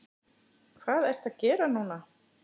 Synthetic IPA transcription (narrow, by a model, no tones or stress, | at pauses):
kʰvaːðɛr̥t̪aðcɛːɾanuːna